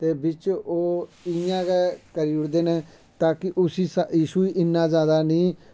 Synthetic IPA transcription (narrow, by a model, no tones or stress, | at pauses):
t̪eːbɪt͡ʃoːɪjãːɡɛːkəɾiːʊɽd̪eːnẽː | t̪aːkɪʔʊsiːsajiːʃuːiːʔɪnːaːzjaːd̪aːnĩː